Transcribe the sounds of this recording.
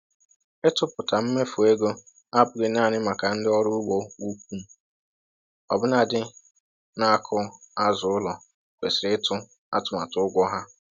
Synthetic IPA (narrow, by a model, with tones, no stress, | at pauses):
ɪ˦tʊ˦pʊ˨ta˨m̩˦me˦fu˨e˦ɡo˦ | a˦bʊ˨ɡɪ˨na˦˨nɪ˦ma˨ka˨n̩˦dɪ˦ɔ˦ɾʊ˦wo˦u˦kʷu˦m̩˦ | ɔ˨bʊ˦na˨dɪ˦ | na˦a˦kʰʊ˦a˦zʊ˨ʊ˦lɔ˨ | kʷe˨sɪ˨ɾɪ˦ɪ˦tʰʊ˦ | a̰˦tʊ˨ma˨tʊ˦ʊ˦ɡʷɔ˦ɦa˦